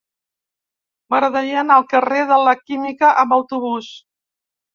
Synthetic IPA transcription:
bəɾðəʎənəlˠkəreðələkimikəʔəmbəwt̪uβ̞us

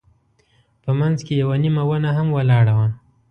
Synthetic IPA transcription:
pəmanzkejawanimawənaɦamwalɑɽawa

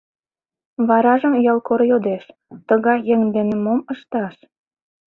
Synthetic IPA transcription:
βɑɾɑʒə̆mjɑlkoɾjod̪eʃt̪əɣɑjːeŋd̪enĕmoməʃt̪ɑʃ

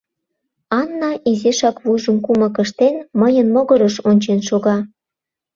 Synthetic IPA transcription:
ɑnːɑizeʃɑkβujʒə̆mkumɤ̆kə̆ʃt̪enməjənmoɣɤ̆ɾəʃonʲt͡ɕenʃoɣɑ

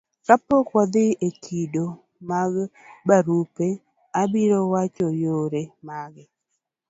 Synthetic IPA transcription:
kapɔkwɔd̪ɪekʰido | maɡ | baɾupe | abiɾowat͡ʃɔjoɾemaɡɪ

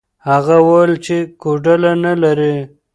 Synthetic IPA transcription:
haɣawalt͡ʃekoɖəlanalaɾi

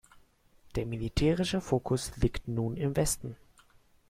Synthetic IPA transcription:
d̥eːɐmilitʰɛːʁ̞ɪʃəfoːkʰʊsliːktnuːnɪmvɛstn̩

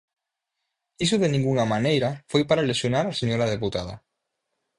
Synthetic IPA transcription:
is̬ʊðenĩŋɡuŋamanejɾafojpaɾalesjonaɾaseɲoɾað̞eput̪aða̰

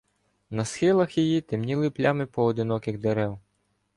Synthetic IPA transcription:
nɐsxɪlˠɐxjijit̪emnʲilˠɪplʲɑmɪpɔːd̪ɪnɔkɪɣd̪eɾɛw

